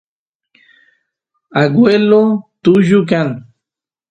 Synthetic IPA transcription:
aɡwelot̪uʒuk̬an

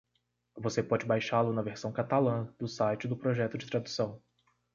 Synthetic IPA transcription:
vosepɔd͡ʒɪbajʃalʊnɐveɾsɐ̃w̃kat̪alɐ̃d̪ʊsajt͡ʃɪd̪ʊpɾoʒɛt̪ʊd͡ʒɪt̪ɾad̪usɐ̃w̃

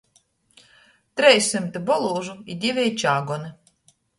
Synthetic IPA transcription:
t̪ɾɛjsɨmt̪ɨbɔlˠuːʒuid̪ʲivʲɛjt͡ʃaːɡɔnɨ

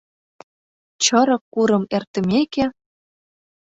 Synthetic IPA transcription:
t͡ɕɤɾɤ̆kːuɾɤ̆mert̪ə̆meke

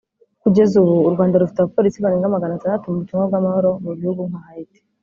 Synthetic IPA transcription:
kuɟe̞zuβuːɾɡwaːndaɾufi̥taβapo̞ɾisiβaɾeŋɡamaɡanataːndatumuβuciŋabɡwamahoɾo̞muβihuɡuŋ̥ahaite̥

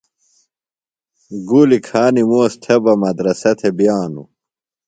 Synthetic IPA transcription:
ɡuːlikʰaːnimoːst̪ʰebɐmɐd̪ɾɐsɐt̪ʰebjaːnṵ

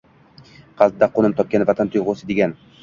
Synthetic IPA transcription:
qʰɑzd̪aqonɪmt̪ʰɒp̚kʲanɪvat̪ʰant̪ʰojʁosɪd̪eɡʲan

